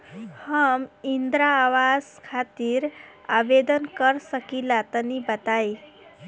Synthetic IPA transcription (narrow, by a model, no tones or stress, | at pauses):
həmind̪ɾaːʋazkʰat̪iɾabed̪ənkəɾsəkilat̪ənibət̪aj